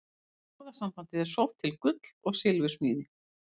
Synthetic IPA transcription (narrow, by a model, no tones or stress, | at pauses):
ɔwðasamfan̥t̪ɪðɛɾ̥sowht̪ʰːɪlkʏt̪l̥ɔɣsɪlvʏsmiːnɪ